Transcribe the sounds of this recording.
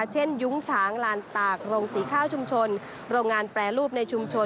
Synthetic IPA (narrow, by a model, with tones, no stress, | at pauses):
t͡ɕʰe˥˩nju˦˥ŋt͡ɕʰaː˩˦ŋlaː˨˧˦nt̪aː˨˩k̚ɾoː˧ŋsiː˩˦kʰaː˥˩wt͡ɕʰu˧mt͡ɕʰo˧n | ɾoː˧ŋːaː˧npɾɛː˨˩ɾuː˥˩p̚na˧jt͡ɕʰu˧mt͡ɕʰo˧